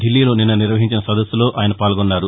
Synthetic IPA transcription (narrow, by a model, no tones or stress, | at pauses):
d̪ilːiːlo̞ːninːɐniɾʋɐɦiɲt͡ʃinɐsɐd̪ɐsːulo̞ːʔʔaːjɐnɐpaːlɡonːaːɾu